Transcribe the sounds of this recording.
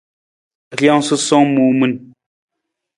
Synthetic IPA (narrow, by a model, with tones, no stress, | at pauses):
ɣja˦ŋsɨ˦sɔ˦ŋmu˨mu˦n